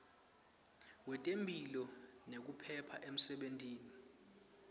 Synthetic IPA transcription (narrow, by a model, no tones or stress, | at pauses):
wɛtʼembʱilɔnek̬upʰɛpʰaʔem̩sɛɓentiːni